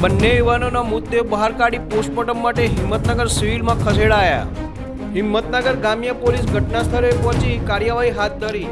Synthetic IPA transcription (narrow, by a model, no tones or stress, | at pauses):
bənːejuʋanonamʊt̪ːebəɦaɾkaɽiposʈ̚poʈəmːaʈeɦɪmːət̪nəɡəɾsiʋilmãkʰəseɽaːja̰ | ɦɪmːət̪nəɡəɾɡamjəpolisɡʱəʈnast̪ʰəɾepɔ̃t͡ʃikaɾjəʋaɦiɦat̪̚d̪ʱəɾi